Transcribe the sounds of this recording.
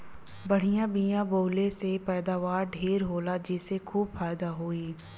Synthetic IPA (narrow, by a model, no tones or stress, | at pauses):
bəɽ̤ijãːbiãːboːleːsepɛːd̪aːʋaːɾɖʱeːɾɦoːlaːd͡ʒɪːsekʰuːbfaːjd̪aːɦoːiː